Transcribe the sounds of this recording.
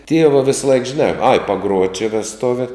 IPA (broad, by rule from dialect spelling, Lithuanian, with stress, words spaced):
ˈtʲiɛʋɐ ˈʋʲeːsˌlˠɐɪk ʒʲɪˈnɑː ɐɪ pɐˈɡruɔtʲ t͡ʃʲɪ ʋʲɛsˈtʊʋʲɛ